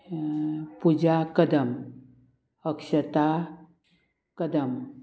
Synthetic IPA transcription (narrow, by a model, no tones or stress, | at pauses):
pud͡ʒakəd̪əm | əkʃət̪a | kəd̪əm